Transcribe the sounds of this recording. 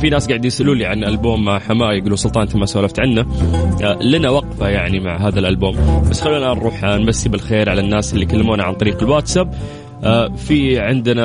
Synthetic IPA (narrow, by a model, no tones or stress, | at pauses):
finaːsɡaʕɪd̪jɪsʔɪluːliʕanʔalbuːmːaʕħamaːjɪɡuːlusʊlt̪ˤɑːʔnt̪imasawlaft̪ʕanːa | lɪnawɑqfajaʕnimaʕɦaːðalʔalbuːmbasːxalːuːnaːnɾˤuːħnbasːibɪlxeːɾʕalanːaːsʔɪlːikalːamuːnaʕa̰nt̪ˤɑɾiːqɪlwaːt̪sab̚ | afiʕɪnd̪na